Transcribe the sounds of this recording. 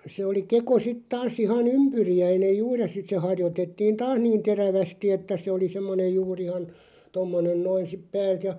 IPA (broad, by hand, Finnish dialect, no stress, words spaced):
se oli keko sit tɑːs ihɑn ympyriæinej juːr jɑ sit se hɑrjotetːiːn tɑːs niːn̞ teræʋæsti etːæ se oli semːone juːr ihɑn tomːonen noin sip pæːlt jɑ